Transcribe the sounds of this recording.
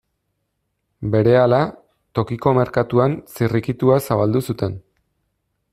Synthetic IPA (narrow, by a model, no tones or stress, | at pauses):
be̞ɾe̞ala | t̪o̞kiko̞me̞ɾkat̪uansirikit̪uasaβald̪usut̪e̞n